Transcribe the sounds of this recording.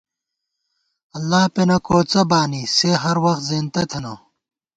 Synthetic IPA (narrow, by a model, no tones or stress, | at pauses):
ɐlːaːpenɐkoːt͡sɐbaːniseɦɐɾwɐxt̪zeːnt̪ɐt̪ʰeno